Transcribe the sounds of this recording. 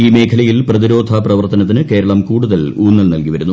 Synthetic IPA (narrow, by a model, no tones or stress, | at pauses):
iːme̞ːkʰɐlɐjilprɐðiɾo̞ːd̪ʱɐprɐʋɐrt̪ɐnɐt̪̬ːinɨke̞ːɾɐɭɐmkuːɽuðɐluːnːɐlnɐlkiʋɐɾunːu